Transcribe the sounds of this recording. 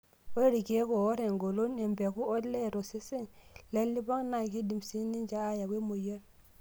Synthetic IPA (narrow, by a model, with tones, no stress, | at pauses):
we˦ɾi˨ke˦ko˨wo˦ɾe˨ŋɡo˨lo˦ne˨mbe˨ku˦o˦tle˦˨ɾo˨se˦si˦ŋle˦lːi˦ba˦ŋna˨ki˦di˨msi˦ni˦nd͡ʒa˨a˦ja˨ke˦mo˨je˦ɾ